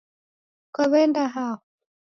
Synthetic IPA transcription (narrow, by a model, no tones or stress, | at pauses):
kwaβɛndaɦahɔ